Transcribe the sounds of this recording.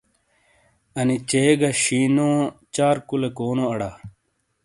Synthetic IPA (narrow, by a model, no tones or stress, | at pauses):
ɐnit͡ɕeːɡaɕiːnõːt͡ɕaːɾkulekoːnõːɐɽaː